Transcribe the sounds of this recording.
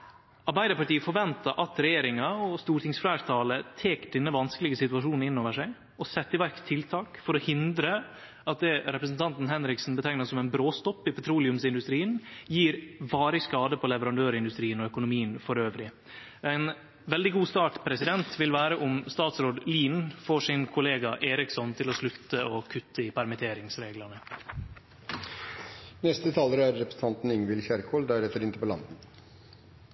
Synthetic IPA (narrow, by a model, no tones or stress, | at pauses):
ɑɾbæɪd̪əɾpɑʈiːəfɔɾʋɛnt̪ɑɾʔɑt̪ɾɛjeːɾɪŋɑɔst̪uːɾʈ̪ɪŋsfɾæːɾt̪ʰɑːlət̪ʰeːkɖ̪ɛnːəʋɑnskəlɪɡəsɪt̪ʉɑʂuːnn̩ɪnːoːʋəʂæɪ | ɔsɛt̪ːɪʋæɾkt̪ʰːɪlt̪ʰɑːkfɔɾɔhɪnd̪ɾə | ɑt̪̚d̪ɛɾɛpɾəsnt̪ʰɑnt̪n̩ɦɛnɾɪksn̩bət̪ʰæŋnəsɔmɛɪnbɾoːst̪ɔpːɪpʰɛt̪ʰɾuːlɪʉmsɪnd̪ʉst̪ɾiːənjiːɾʋɑːɾɪskɑːd̪əpʰɔlɛʋəɾɑnd̪øːɾɪnd̪ʉst̪ɾiːənɔœkʊnʊmiːənfɔɾøːʋɾɪ | æɪn | ʋɛld̪ɪɡuːst̪ɑːʈpʰɾɛsɪd̪ɛnt̪ʰʋɪlʋæːɾəʔʊmst̪ɑːt̪sɾoːd̪liːnfɔʂɪnkʰʊleːɡɑʔeːɾɪksɔnt̪ʰɪlɔslʉt̪ːəoːkʰʉt̪ʰːəɪpʰæɾmɛt̪ʰeːɾɪŋsɾeːɡlɑnə | nɛst̪ət̪ʰɑːləɾæɾːɛpɾəsn̩t̪ʰɑnt̪n̩ɪŋʋɪlçæɾkʰoːld̪æɾɛfəɾɪnt̪əpɔlɑ̰nd̪n̩